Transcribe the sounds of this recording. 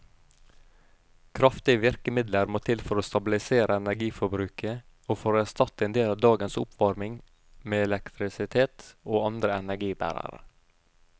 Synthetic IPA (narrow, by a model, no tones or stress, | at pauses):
kʰɾɑft̪ɪəʋɪɾkəmɪd̪ləɾmoːt̪ʰɪlfɔɾoːst̪ɑbɪlɪseːɾʔəɛnæɾɡiːfɔɾbɾʉːkə | oːfoːɾoːæst̪ɑt̪əeːnd̪eːlɑːʋd̪ɑːɡənsʊ̰pʰʋɑɾmɪŋ | meːɛlɛkt̪ʰɾɪsɪt̪ʰeːt̪oːɑnd̪ɾəɛnæɾɡiːbæ̰ɾɑ̰ɾə̰